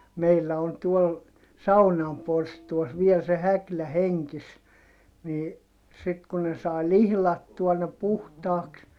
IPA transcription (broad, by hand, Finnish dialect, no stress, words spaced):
meilːæ on tuol sɑunɑm porstuɑs ʋiel se hæklæ heŋkis niː sit ku ne sɑˑi lihlɑtːuɑ ne puhtɑːks